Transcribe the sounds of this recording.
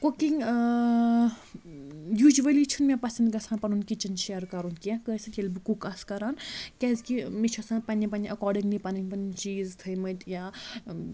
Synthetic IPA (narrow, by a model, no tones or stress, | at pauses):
kokiŋ | juːd͡ʒʋɐlit͡ʃʰunmʲẽpɐsɐnd̪ɡɐsʰãːnpɐnunkit͡ʃinʃeːɾkɐɾunkiãkəsɨt̪jɐlbikukaskɐɾaːnkʲɛzkimit͡ʃʰɐsãːnpɐnʲipɐniʔɐkɔːɾɖiŋɡnipɐnɐŋpɐnt͡ʃiːzt̪ʰəjmɐt̪ʲjaː